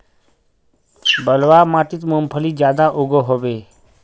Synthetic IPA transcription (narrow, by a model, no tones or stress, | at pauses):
bəlʋaːmaːʈɪt̪mompʰəliːd͡ʒjaːd̪aʔoɡoɦoʋeː